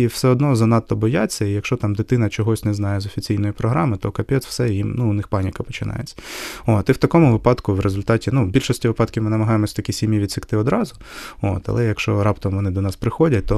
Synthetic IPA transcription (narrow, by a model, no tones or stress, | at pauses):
iwsɛɔd̪nɔzɐnɑt̪ːɔbɔjat͡sʲːɐijɐkʃt͡ʃɔt̪ɑmd̪ɪt̪ɪn̪ɐt͡ʃɔɦɔsʲnɛznɑjɛzɔfʲit͡sʲijnɔjipɾɔɦɾɑmɪt̪ɔkɐpʲɛt̪w̥sɛjimnuʊnɪxpɑnʲikɐpɔ̥t͡ʃɪnɑ̰jet͡sʲːɐot̪iwt̪ɐkɔmʊʋɪpɑd̪kʊʋɾezʊlʲt̪ɑtʲinubʲilʲʃɔsʲtʲiʋɪpɑt̪kʲɪmɪnɐmɐɦɑjemɔsʲɐt̪ɐkʲisʲimʲjiʋʲid̪sɪkt̪ɪɔd̪ɾɑzʊ | o̰t̪ɐ̰lˠɛjɐkʃt͡ʃɔɾɑpt̪ɔmʋɔnɪd̪ɔnɑspɾɪxɔdʲɐt̚ʲt̪ɔ